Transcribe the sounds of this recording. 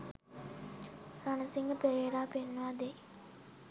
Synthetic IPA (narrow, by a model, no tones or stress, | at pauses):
ranəsiŋɡəpeɾieɾaːpenːəʋad̪e